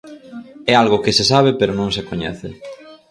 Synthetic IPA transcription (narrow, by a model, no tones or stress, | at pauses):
ɛalɣʊkɪsesaβepeɾonõŋsekoɲɛ̰θɪ̰